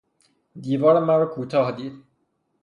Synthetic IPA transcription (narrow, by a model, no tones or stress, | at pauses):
d̪iːvɒːɾemæɾɔkʰuːt̪ʰɒːhd̪iːd̪̥